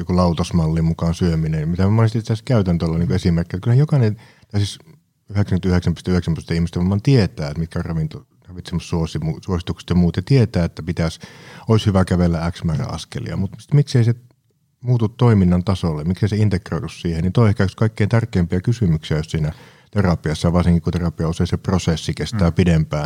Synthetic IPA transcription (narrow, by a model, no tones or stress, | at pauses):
jokulɑut̪osmɑlːimmukɑːnsyøminenjmit̪æmonest̪isit̪æskæyt̪ænt̪øolːɑniːŋkuesimerkːiet̪kylhæjokɑˑnen | t̪æysis | yheksæŋkynt̪yheksæmpyst̪æyheksæmpyst̪æihmist̪æʋɑmːˑɑːnt̪iet̪æːet̪mit̪kærrɑʋint̪o | rɑʋit̪semːost̪suosimusuosit̪ukse̥t̪jɑmuːt̪jɑt̪iet̪æːet̪ːæpit̪æsoˑishyʋækæʋelːææksmæræ̰ɑ̰skḛlḭɑ̰mut̪si̥t̪mikseise | muːt̪ut̪t̪oiminːɑnt̪ɑsolːemikseˑiseint̪ekroˑit̪ussiːhennint̪oˑiehkæyskɑˑikːeint̪ærkˑeˑːmpiækysymyksiæjossiːnæ | t̪erɑpiɑsːɑjʋɑrsiŋkikunt̪erɑpiɑuseˑiseprosesːikest̪æːpidempæː